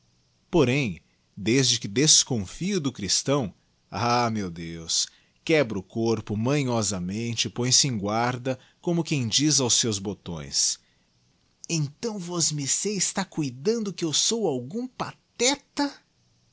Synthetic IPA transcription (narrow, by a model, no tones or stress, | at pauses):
poɾẽj̃ | d̪ezd͡ʒɪkɪd̪eskõfiʊd̪ʊkɾist̪ɐ̃w̃ | amewd̪ews | kɛbɾʊkoɾpʊmɐ̃ɲɔzɐmẽnt͡ʃɪpõj̃sɪẽj̃ɡwaɾd̪ɐ | kõmʊkẽj̃d͡ʒizawsːewzbot̪õ̰j̃s | ẽt̪ɐ̃w̃vɔzmɪseɪst̪akujd̪ɐ̃nd̪ʊkɪewsowawɡũpat̪ɛt̪ɐ